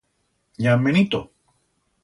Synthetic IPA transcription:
ɲãmẽñit̪o

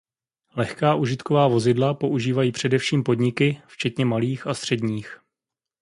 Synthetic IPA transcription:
lɛxkaːʔuːʒɪt̪kovaːvo̞zɪdlapo̞ʔuʒiːvajiːpr̝̥ɛdɛfʃiːmpo̞dɲɪkɪft͡ʃɛt̪ɲɛmaliːxast̪r̝̥ɛdɲiːx

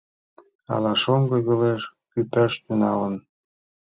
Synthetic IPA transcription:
ɑ̰lɑʃoŋɡɤɣəleʃkyt̪ɑʃt̪ynɑ̰lən

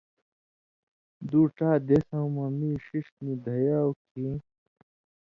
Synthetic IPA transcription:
d̪uːʈaːd̪esaũmɐmiːɕiʂt̪nid̪ʱɐjaːwkʰi

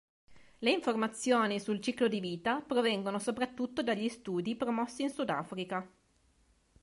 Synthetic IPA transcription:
leiɱformat̪sːjoːnisult͡ʃiːklod̪iviːt̪apɾovɛŋɡonosopɾat̪ːut̪ːod̪aʎːist̪uːd̪ipɾomɔsːiːnsud̪a̰ːfɾika

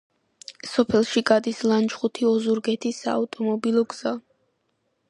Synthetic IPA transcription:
sɔpʰɛlˠʃiɡad̪islˠant͡ʃχut̪ʰiɔzuɾɡɛt̪ʰisaːt̪ʼɔmɔbilˠɔɡz̥a

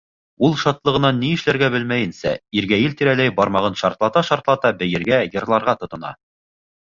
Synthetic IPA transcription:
ulˠʃɑt̪lˠɤ̆ʁɤ̆nɑnːiɘ̆ʃlæɾɡæbɘlmæjɘ̆nsæ̰iɾɡæjɘlt̪iɾælæjbɑɾmɑʁɤnʃɑɾt̪lˠɑt̪ɑʃɑɾt̪lˠɑt̪ɑbɘ̆jɘ̆ɾɡæjɤ̆ɾlˠɑɾʁɑt̪ŏt̪ɤ̆nɑ̰

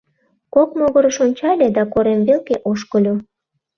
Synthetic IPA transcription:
kokmoɣəɾəʃonʲt͡ɕɑlʲed̪ɑkoɾemβelkeʔoʃkəlʲo

